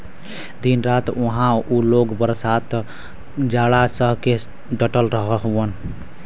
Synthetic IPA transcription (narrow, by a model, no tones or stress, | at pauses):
d̪inɾat̪oɦãuloɡbəɾsat̪ | d͡ʒaɽasəɦke | ɖəʈəlɾəɦəɦən